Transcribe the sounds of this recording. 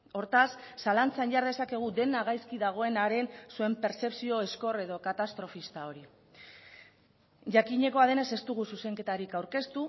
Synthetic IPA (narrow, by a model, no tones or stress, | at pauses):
o̞ɾt̪asːalant͡sanʝaɾðe̞sake̞ɣ̞ud̪e̞naɣ̞ajskiðaɣ̞o̞e̞naɾe̞nsue̞mpe̞ɾt͡se̞psio̞esko̞re̞ðo̞kat̪ast̪ɾo̞fist̪ao̞ɾi | ʝakiɲe̞ko̞að̞e̞ne̞se̞st̪uɣususe̞ŋke̞t̪aɾikawɾke̞st̪u